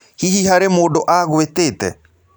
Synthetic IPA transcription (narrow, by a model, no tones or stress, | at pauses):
hihiɦaɾemoɖoʔaːɣoet̪eːt̪ḛ